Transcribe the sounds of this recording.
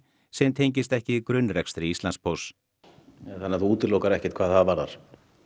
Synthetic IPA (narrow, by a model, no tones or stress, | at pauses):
sɛmt̪ʰejɲc̬ɪst̪ɛhcɪikɾʏnːɾɛkst̪ɾɪist̪anspʰows | ɛθanːaθuuːt̪ɪɾlowkaɾɛhcɪ̥t̪kʰvaːðθaðvaɾða̰ɾ̥